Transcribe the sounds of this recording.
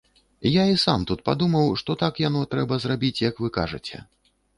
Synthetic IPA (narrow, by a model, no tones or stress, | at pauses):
jaisamt̪ut̪̚pa̰d̪umɐwʂt̪ɔt̪akjanɔt̪ɾɛbɐzrabʲit͡sʲjɐkvɨkaʐɨ̰t͡sʲɛ̰